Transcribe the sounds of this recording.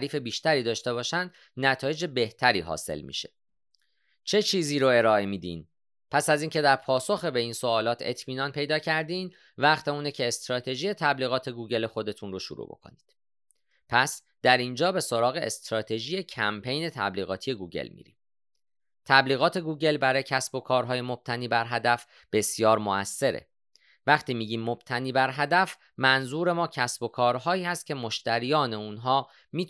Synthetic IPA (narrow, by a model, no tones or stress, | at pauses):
ɾiːfe̞biːʃt̪æɾiːd̪ɒːʃt̪e̞βɒːʃænd̪ | næt̪ʰɒːje̞d͡ʒebe̞ht̪ʰæɾḭːɦɒ̰ːse̞̰lmḭʃe̞ | t͡ʃʰe̞t͡ʃʰiːziːɾoe̞ɾɒːemiːd̪ḭːn | pʰæsæziːŋcʰe̞d̪æɾpʰɒːso̞xebe̞insoɒːlɒːt̪ʰe̞̰t̪ʰmiːnɒːnpʰe̞jd̪ɒːcʰæɾd̪in | væχt̪ʰeuːnecʰeːst̪ɾɒːt̪ʰe̞ʒiːje̞t̪ʰæbliːɣɒːt̪ʰe̞ɡuːɟe̞lexo̞d̪e̞t̪ʰunroʃuɾṵbo̞̰kʰo̞̰nid̪̥ | pʰæs | d̪̥æɾind͡ʒɒːbe̞so̞ɾɒːɣe̞ʔest̪ɾɒːt̪ʰe̞ʒije̞cʰæmpʰe̞jne̞t̪ʰæ̰bliːɣɒ̰ːt̪ʰije̞ɡuːɟe̞̰lmḭːɾḭm | t̪ʰæbliːɣɒːt̪ʰe̞ɡuːɟe̞lbæɾɒːjecʰæsbo̞kʰɒːɾɦɒːje̞mo̞b̥̚t̪ʰæniːbæɾɦæd̪æf | b̥e̞sjɒːɾmoæsːe̞ɾḛ | væχt̪ʰiːmiːɟiːmːob̥t̪ʰæniːbæɾɦæd̪æf | mænzuːɾe̞mɒːcʰæsbo̞kʰɒːɾɦɒːiːhæst̪̚cʰʲe̞mo̞ʃt̪ʰæɾijɒːne̞unɦɒː | miː